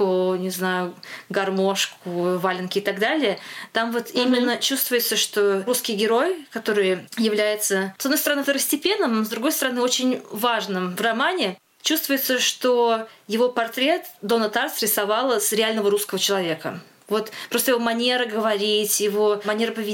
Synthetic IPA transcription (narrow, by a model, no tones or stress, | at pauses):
ʊnʲɪznajʊɡɐrmo̞ʂkʊvalʲɪnkʲɪɪt̪aɡd̪alʲɪjət̪amvo̞t̪imʲɪnːət͡ɕust̪vʊjɪt̪səʂt̪o̞ɾuskʲɪjɡʲɪɾo̞jkɐt̪o̞ɾɨjjɪvlʲæjɪt̪səsɐd̪nost̪ɾɐnɨft̪əɾəsʲtʲɪpʲe̞nːəmzd̪ɾʊɡo̞jst̪əɾɐnɨo̞t͡ɕɪnʲvaʐnɨmvrɐmanʲɪ | t͡ɕust̪vʊjɪt̪səʂt̪ojɪvo̞pɐrt̪ɾʲe̞t̪d̪o̞nət̪arsɾʲɪsɐvalˠsɾʲɪalʲnəvəɾuskəvət͡ɕɪlˠɐvʲe̞kə̰ | vo̞t̪pɾost̪əjɪvo̞mɐnʲe̞ɾəɡəvɐɾʲitʲjɪvo̞mɐnʲe̞ɾəpəvʲɪ